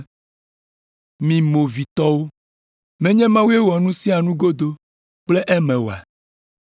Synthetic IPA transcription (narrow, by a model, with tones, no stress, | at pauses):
mĩ˨mo˨vi˨t̪ɔ˦wo˦ | mɛ̃˦ɲɛ̃˦mã˦wu˦e˦wɔ˨nũ˦si˦a˨nũ˦ɡo˦d̪o˦ | k͡ple˦ʔɛ˦mɛ̃˨wo˨a̰˨